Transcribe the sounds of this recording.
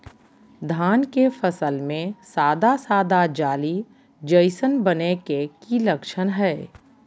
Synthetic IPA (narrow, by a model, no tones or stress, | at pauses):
d̪ʱaːnkefəsəlmẽsaːd̪asaːd̪ad͡ʒaːli | d͡ʒəɪsənbənekekiləkʃənɦɛː